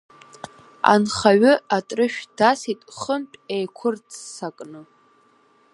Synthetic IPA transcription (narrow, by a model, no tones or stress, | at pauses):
a̰nχaɥɨatʼrɨʃᶣd̥asitʼχəmpʼejkʷʰʊrt͡sʰːakʼnɨ